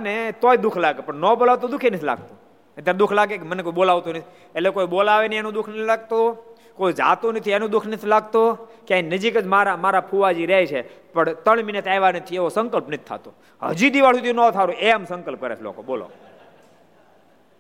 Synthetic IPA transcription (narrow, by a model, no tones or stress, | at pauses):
net̪ojd̪ukʰlaɡepəɳnɔbolaʋt̪od̪ukʰenət̪ʰila̰ɡ̚t̪o | ət̪jaɾed̪ukʰlaɡekmənekoiɓolaʋt̪onət̪ʰi | elekojɓolaʋenienũd̪ʊkʰnəilaɡ̚t̪o | koid͡ʒa̰t̪onət̪ʰienũd̪ukʰnət̪ʰilaɡt̪okãinəd͡ʒikəd͡ʒmaɾamaɾapʰuʋad͡ʒiɾɛt͡ʃʰe | pəɳt̪əɳminət̪ajʋanət̪ʰieʋosəŋkəlpnət̪ʰːa̰t̪o | ɦə̰d͡ʒid̪iʋaɭsud̪ʱiunɔt̪ʰaɾũeəmsə̃ŋkəlp̚kəɾḛt͡ʃʰlo̰ko̰bola̰